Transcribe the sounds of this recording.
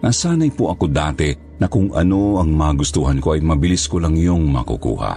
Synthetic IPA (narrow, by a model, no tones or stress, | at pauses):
ŋɐsaːnɐjpoʔɐkod̪aːt̪ɛ | nɐkʊŋɐ̰noɐŋmaːɡʊst̪uhankoʔɐjmɐbɪliskolɐŋjoŋmɐkṵkṵːha̰